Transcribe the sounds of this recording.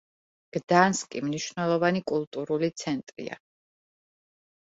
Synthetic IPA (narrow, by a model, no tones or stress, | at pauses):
ɡ̥d̪̥anskʼḭmniʃvnɛlˠɔvanikʼulˠt̪ʼuɾulit̪sʰɛnt̪ʼɾḭa̰